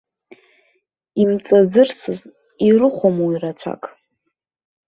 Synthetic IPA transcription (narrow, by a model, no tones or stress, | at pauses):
imt͡sʼazɨrsɨz | irɨχʷomwirat͡ɕʷʰa̰kʼ